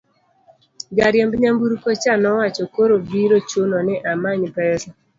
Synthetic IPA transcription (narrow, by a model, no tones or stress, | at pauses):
ɡaɾjɛmbɲambuɾkot͡ʃanɔwat͡ʃokoɾobiɾot͡ʃonɔnɛʔamaɲpɛsɔ